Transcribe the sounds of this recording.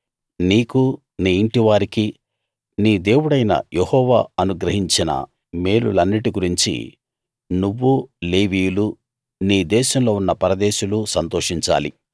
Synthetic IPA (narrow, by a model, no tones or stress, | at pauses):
niːku | niːiɳʈiʋaːɾiki | niːd̪e̞ːwuɽɐjnɐ̰jehɔːʋaːɐnuɡɾɐɦiɲt͡ʃinɐ̰ | me̞ːlṵlɐnːiʈiɡuɾiɲt͡ʃḭ | nuʋːule̞ːʋiːjulu | niːd̪ɛːʃɐmlo̞ːunːɐpɐɾɐd̪ɛːʃulusɐnt̪oːʂiɲt͡ʃa̰ːlḭ